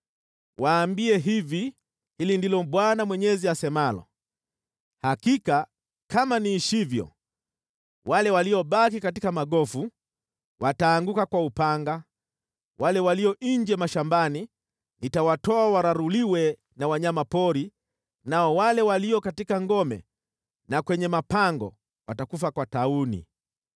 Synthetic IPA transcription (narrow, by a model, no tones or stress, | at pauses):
waːmbiɛɦivi | hilindilɔɓwanamwɛɲɛziasɛmalɔ̰ | hakika | kamaniːʃivjɔ̰ | walɛwaliɔɓakikatikamaɠɔfu | wʔataːŋɡukakwaupaŋɡa | walɛwaliɔʔiɲd͡ʒɛmaʃambani | nitawatɔawaɾaɾuliwɛ | nawaɲamapɔɾi | naɔwalɛwaliɔkatikaŋɡɔmɛ̰ | nakwɛɲɛmapaŋɡɔ̰ | watakufakwataunḭ